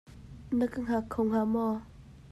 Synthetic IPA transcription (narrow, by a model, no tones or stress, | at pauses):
nəkəŋɦakʰowŋɦamɔ